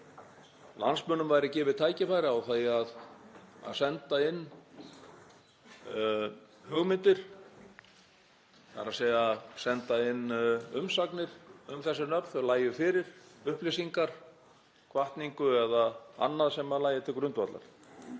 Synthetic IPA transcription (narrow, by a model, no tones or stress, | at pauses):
la̰nsmœnʏmvaːjɾɪcɛːvɪðt̪ʰaːjcɪfaːjɾɪawθajað | a̰ðsɛnt̪aɪnː | hœɣmɪnt̪ɪɾ̥ | θa̰ɾasɛːjasɛnt̪aɪnːʏmsaknɪɾ̥ʏmθɛsːɪnœp̪θalaːjʏfɪːɾɪɾ̥ʏhplesiŋkaɾ̥ | kʰvaht̪niŋkʏɛðaa̰nːaðsɛmːaðlaːjɪt̪ʰɪlkɾʏnt̪vat̪la̰ɾ̥